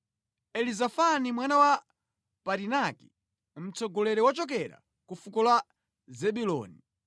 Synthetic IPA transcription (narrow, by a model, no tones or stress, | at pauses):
ɛlizafanimwanawa | paɾinaki̥ | m̩t͡sɔɡɔlɛɾɛwat͡ʃɔk̬ɛɾa̰ | kufukɔlwa | zɛɓulɔ̰ːni